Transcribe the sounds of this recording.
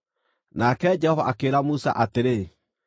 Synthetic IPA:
nakɛd͡ʒɛhɔva̰ʔakeɾamusa̰ʔateɾe

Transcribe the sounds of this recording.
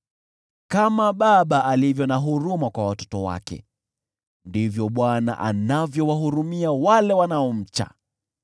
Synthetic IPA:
kamaɓaɓaʔalivjɔnaɦuɾumakwawatɔ̥tɔwa̰kɛ̰ | ndivjɔɓwana̰ʔa̰navjɔwaɦuɾumiawalɛwanaɔm̩t͡ʃa̰

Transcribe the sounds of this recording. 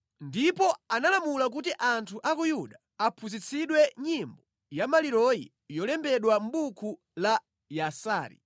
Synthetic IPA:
ndipɔanalamulak̬utiʔantʰuʔakujuɗa | apʰuzit͡sʰiɗwɛɲimbɔ | jamaliɾɔjḭ | jɔlɛmbɛɗwam̩ɓukʰu | la | jasaːɾḭ

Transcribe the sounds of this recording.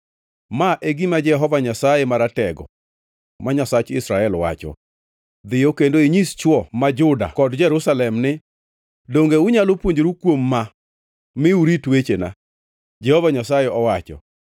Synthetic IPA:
maʔeɡimad͡ʒɛɦɔvaɲasajemaɾatɛɡɔ̰ | maɲasat͡ʃɪsɾaɛlwa̰t͡ʃɔ̰ | d̪ɪjokendoiɲist͡ʃwɔmad͡ʒʊda̰kɔdd͡ʒɛɾʊsalɛmnɪ | doŋɡeʊɲalopwoɲd͡ʒɾukwomːa | mɪuɾitwet͡ʃena̰ | d͡ʒɛhɔvaɲasajeɔwat͡ʃɔ̰

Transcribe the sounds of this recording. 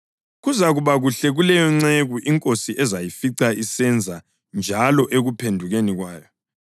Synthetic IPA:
ɣuzaɣuβaɣuɬɛɣulɛjɔŋ͡ǀeɣuʔiŋkʼosiʔɛzajifiǀaisɛnd͡zʱa | nd͡ʒʱalɔʔeɣupʰendʱuɣeniɣwaːjɔ

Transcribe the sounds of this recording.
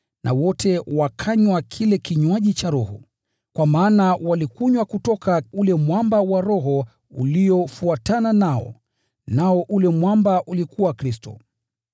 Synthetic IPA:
nʔa̰wɔtɛwakʰaɲwakʰilɛkiɲwaʄit͡ʃaɾɔhṵ | kwamaːnawalikuɲwakutɔkaulɛmwambawaɾɔɦɔ | ṵliɔfuatananaɔ̰ | naɔʔulɛmwambaʔulikuwakɾistɔ̰

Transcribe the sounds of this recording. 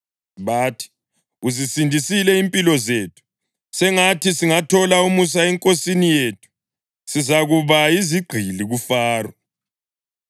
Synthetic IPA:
βaːtʰi̥ | uzisindʱisilɛimpʼilɔzeːtʰu̥ | sɛŋatʰisiŋatʰɔlaumus̬aɛŋkʼosinijeːtʰu̥ | sizaɣuβaiziɡ͡ǃʱiliɣufaːrwɔ

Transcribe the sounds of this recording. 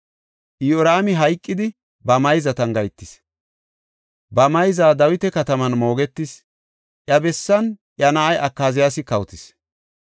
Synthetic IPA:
ʔjoɾaːmɪɦɐjkʼːɪd̪ɪ | bɐmɐjzɐt̪ɐŋɡɐjt̪ːɪs | bɐmɐjzaːd̪ɐwɪt̪ɛkɐt̪ɐmɐnmo̞ːɡɛt̪ːɪs | ʔjɐbɛsːɐnʔjɐnɐʔɐjʔɐkːaːzɪjaːsɪkɐwt̪ɪs

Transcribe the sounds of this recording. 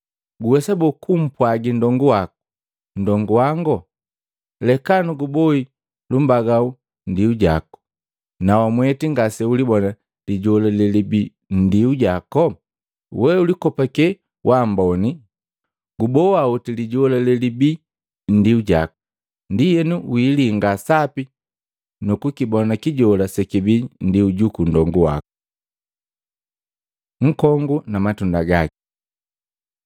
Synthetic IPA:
ɡuwɛsabɔkʰum̩pwaɡindɔŋɡuwakɔ | n̩dɔŋɡuwaŋɡɔ | lɛkanuɡubɔi | lum̩baɡau | ndiuɟa̰kɔ̥ | nawamwɛtiŋɡasɛulibɔna | liɟɔlɛlɛlibi | n̩diuɟakɔ | wɛulikɔpakɛ | wʔambɔni | ɡubɔwautiliɟɔlalɛlibi | n̩diuɟa̰kɔ̥ | ndijɛnuwiːliŋɡasapi | nukukibɔnakiɟɔlasɛkibin̩diuɟukundɔŋɡuwa̰kɔ̥ | ŋ̩kɔŋɡunamatundaɡaki̥

